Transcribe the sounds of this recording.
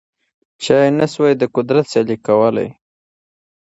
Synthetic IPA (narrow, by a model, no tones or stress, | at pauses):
t͡ʃɑjenaswajd̪əkʊd̪ɾat̪salikawəla̰j